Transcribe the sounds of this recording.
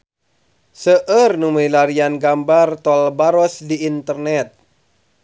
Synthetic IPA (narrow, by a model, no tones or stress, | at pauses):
səʔərnumujlaɾianɡambart̪ɔlbaɾɔsdiːnt̪ərnɛt̪̚